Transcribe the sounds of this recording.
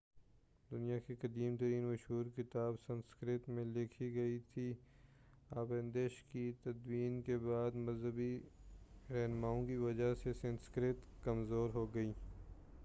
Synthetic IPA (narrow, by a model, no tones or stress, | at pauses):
d̪ʊnijakekɐd̪iːmt̪ɐɾiːnmɐʃɦuːɾkɪt̪aːbsɐ̃nskɾɪt̪mẽlɪkʰiɡɐit̪ʰi | aːbɛ̃nd̪eʃkit̪ɐd̪wiːnkebaːd̪mɐzɦəbi | ɾɛɦnmaːõkiʋɐd͡ʒasesɐ̃nskɾɪt̪kɐmzoːɾɦoːɡɐiː